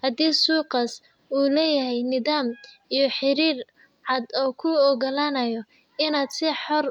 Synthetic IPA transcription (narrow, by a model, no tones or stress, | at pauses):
hɐd̪iːsuːqɑs | uːlɛːjɐɦɛjnɪðaːm | ijɞħɪɾiːr | ʕɑd̪ɔːkʰʊɔɣɐlaːnɐjɔ | ɪnaːd̪sɪħɔr